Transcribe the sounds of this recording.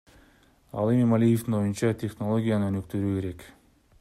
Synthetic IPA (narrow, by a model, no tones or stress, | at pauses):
ɑ̰lˠe̞mimalʲijeft̪ino̞junt͡ʃɑt̪ʲʰe̞χno̞lˠo̞ɡʲijanønykt̪yɾyːke̞ɾe̞k